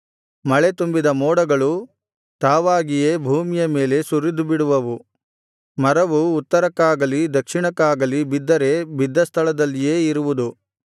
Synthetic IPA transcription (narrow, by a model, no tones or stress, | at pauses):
mɐɭe̞t̪umbid̪ɐmɔːɽɐɡɐɭu | t̪aːʋaːɡije̞ːbʱuːmijɐme̞ːle̞suɾid̪ubiɽuʋɐʋu | mɐɾɐʋuːt̪ːɐɾɐkaːɡɐlid̪ɐkʂiɳɐkaːɡɐlibid̪ːɐɾe̞bid̪ːɐst̪ʰɐɭɐd̪ɐlːijeːiɾuʋud̪u